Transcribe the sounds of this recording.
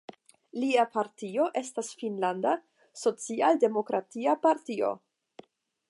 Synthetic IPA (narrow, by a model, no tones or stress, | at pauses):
liapaɾtio̞ʔe̞stasfinlanda | so̞t͡sialde̞mo̞kɾatiapaɾtio̞̰